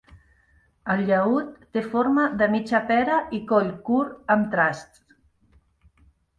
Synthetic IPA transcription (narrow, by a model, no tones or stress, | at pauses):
əlʎəut̪ːefoɾmaðəmit͡ʃapɛɾaʔikoʎkuɾəmt̪ɾast̪